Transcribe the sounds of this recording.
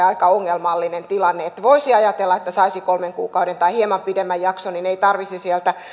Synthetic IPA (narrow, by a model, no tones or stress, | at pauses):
ɑikɑoŋːelmɑlːinent̪ilɑnːeet̪ːæʋoisiɑjɑt̪elːɑet̪ːæsɑisikolmeŋkuːkɑudent̪ɑihiemɑmpidemːæjjɑksonineit̪ɑrʋisisielt̪æ